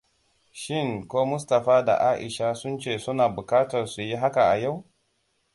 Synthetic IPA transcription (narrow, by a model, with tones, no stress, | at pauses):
ʃɪ˦˨ŋkʷoː˦mʊ˦s̬tɐ˨ɸaː˦da̰˨ʔaː˦ʔɪ̰˨ʃa˦sʊ˦nt͡ʃeː˦˨sʊ˦naː˨bʊ˨kaː˦tɐ˨rsu˨ji˦ɦa˦ka˨ʔa̰˨ja˦˨w